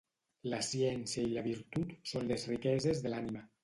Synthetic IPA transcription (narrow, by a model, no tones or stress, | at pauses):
ləsiɛnsiəiləβiɾt̪ut̪sonlezrikɛzezðəlanimə